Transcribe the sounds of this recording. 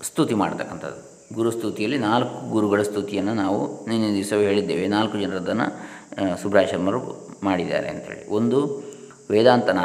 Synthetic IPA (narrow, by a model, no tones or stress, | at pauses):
st̪ʰut̪ima̰ːɽt̪ʰɐkːɐnt̪ʰɐ̰d̪ːu | ɡuɾust̪ʰut̪ijɐlːinaːlkːuɡuɾuɡɐɭɐst̪ʰut̪ijɐnːɐnaːʋṵninond̪isɐʋɦe̞ːɭid̪ːeːʋenaːlkːud͡ʒɐnɐɾɐd̪ɐnːɐ̰subɾaːʃɐɾɐmɐɾumaːɽid̪ːa̰ːɾḛɐ̰nt̪ɐɦḛːɭḭond̪u | ʋɛːd̪aːnt̪ɐna